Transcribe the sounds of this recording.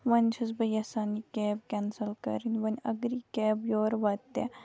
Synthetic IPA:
ʋɐnʲt͡ʃʰɐzbɐjɐsaːnikeːb̚kʲɛnsɐlkɐ̰ɾinʲʋɐnʲɐ̰ɡɾikeːbjoːɾʋɐt̪ːe

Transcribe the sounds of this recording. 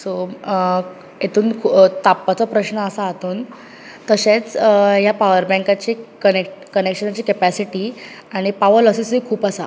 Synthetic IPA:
so | et̪ʰuːnkʰt̪apːat͡sɔpɾəɕɳəːsaːt̪uːn | t̪əɕet͡sjapaʋəɾbɛ̃ŋkat͡ɕiːkənekʈkənekɕənat͡ɕiːkepæsiʈiː | aɽ̃ipaʋəɾlɔsisikʰuːpasa̰

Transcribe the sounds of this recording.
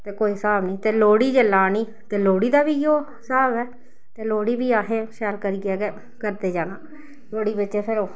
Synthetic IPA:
t̪eːkoːiːsaːbnĩːt̪eːloːɽiːd͡ʒəlːaːniː | t̪eːloːɽiːd̪aːbiːjoː | saːbɛː | t̪eːloːɽiːbiːaːɦẽːʃɛːlkəɾiːɡɛːɡe | kəɾd̪eːd͡ʒaːnaː | loːɽiːbɪtːʃeːpʰɪɾoː

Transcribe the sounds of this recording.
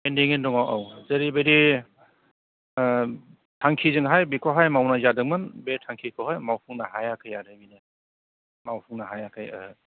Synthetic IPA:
endiŋendɔŋawʔawzeɾibeɾi | tʰaŋkʰizɯŋɦajbikʰɔɦajmawnazadɯŋ̚mɯnbetʰaŋkʰikʰɔɦajmawpʰuŋnaɦajakʰɯjaɾɯɡinɯ | mawpʰuŋnaɦajakʰajɯ̰ɯ

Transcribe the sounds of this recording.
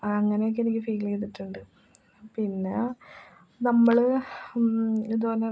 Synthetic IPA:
ɐŋːɐnejok̬ːenikʲːɨfiːkilekːt̪̬ːiʈːuɳɖɨ | pinːe̞̰ | nɐmːɐɭ | id̪ːupɐnːe

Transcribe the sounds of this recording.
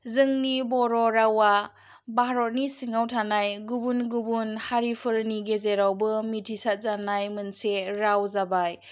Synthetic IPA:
zɯŋnibɔɾɔɾawa | baɦɾɔt̚nisiŋawtʰanajɡubunɡubunhaɾipʰɯɾniɡezeɾawbɯmitʰisat̚zanajmɯnseɾawzabaj

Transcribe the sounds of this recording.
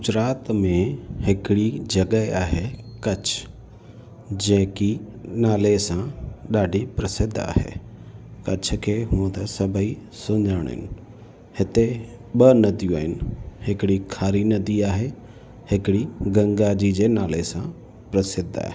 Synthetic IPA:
ɡʊd͡ʒɾaːt̪mẽhɪkɪɽid͡ʒɐɡəeaːɦekɐt͡ʃʰ | d͡ʑɐ̃ɦki | naːlesãɗaːɖʱipɾɐsɪd̪ʱːa̰ːɦḛː | kɐt͡ʃʰkʰeːɦũt̪ɐsɐbʱəi | sʊ̃ɲd͡ʒəːɽ̃ɪ̰n | hɪt̪e | ɓənɐd̪jũaːɦɪnhɪkɪɽikʰaːɾinɐd̪iaːɦe | hɪkɪɽiɡɐ̃ŋɡad͡ʑid͡ʑenaːlesã | pɾɐsɪd̪ʱa̰ːɦɪ

